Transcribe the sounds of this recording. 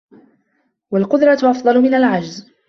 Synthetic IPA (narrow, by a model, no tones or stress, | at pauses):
walqʊd̪ɾˤɑʔɑfd̪ˤɑlʊmɪnalʕad͡ʒz